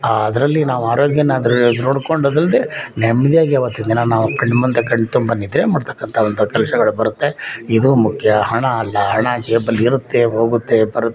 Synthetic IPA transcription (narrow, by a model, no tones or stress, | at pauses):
aɐd̪ɐɾɐlːinaːʋuaːɾoːɡjɐnːaːd̪ɐɾud̪noːɽko̞ɳɖɐd̪ɾɐld̪enɛmːɐd̪ijaːɡiaʋɐt̪ːind̪inanaːʋukɐɳɖmɐnd̪ɐkɐɳːɖt̪ːumbɐnid̪ɾeːmaːɽt̪ʰɐ̥kːɐnt̪ʰɐont̪ʰɐkɛlsɐɡɐɭubɐɾut̪ːe̞id̪umukʰjɐhɐɳɐːlːɐɦɐɳad͡ʒɛːbɐlːiiɾut̪ːeɦoːɡut̪ːe̞bɐɾu